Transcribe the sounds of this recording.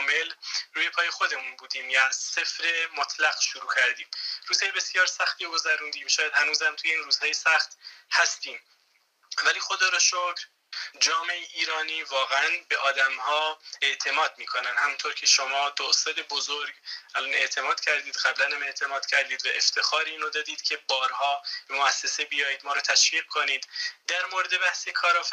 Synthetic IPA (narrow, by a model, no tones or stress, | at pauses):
me̞lruːje̞pʰɒːje̞xo̞d̪e̞munbuːd̪iːmjæzse̞fɾemot̪ʰlæɣʃoɾuːcʰæɾd̪iːmɾuːz̥hɒːjebe̞sjɒːɾsæxt̪iːɡo̞zæɾuːnd̪iːmʃɒːjæd̪hænuːzæmt̪ʰujeiːnruːz̥hɒːjesæχt̪hæst̪iːm | væliːxo̞d̪ɒːɾɒʃokʰɾ | d͡ʒɒːmeeiːɾɒːniːvɒːɣeænbe̞ʔɒːd̪æmhɒːe̞ʔt̪ʰe̞mɒːd̪̚miːkʰo̞nænhæmuːnt̪ʰoɾcʰe̞ʃomɒːd̪osɛd̪ebozoɾɡʔælɒne̞ʔt̪ʰe̞mɒːd̪̥cʰæɾd̪iːd̪ɢæblænhæme̞ʔt̪ʰe̞mɒːd̪̥cʰæɾd̪iːd̪væʔe̞ft̪ʰe̞xɒːɾeiːnod̪ɒːd̪iːd̪cʲʰe̞bɒːɾhɒːb̥emoæsːesebijɒːjiːd̪mɒːɾɔːt̪ʰæʃviːʁ̥̚kʰoniːd̪d̪æɾmoɾed̪e̞bæhsekʰɒːɾɒːf